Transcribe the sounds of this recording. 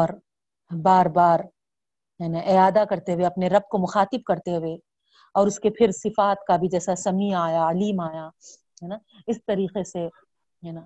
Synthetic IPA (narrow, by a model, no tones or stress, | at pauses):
ɔːɾ | baːɾbaːɾ | ɦɛːnaʔɪaːd̪akɐɾt̪eɦweɐpneɾɐb̚komʊxaːt̪ɪb̚kɐɾt̪eɦʊwe | ɔːɾʊskepʰɪɾsɪfaːt̪kabʱid͡ʒɛːsasɐmiaːjaɐliːmaːja | ɦɛːna | ɪst̪ɐɾiːqese | ɦɛːnaː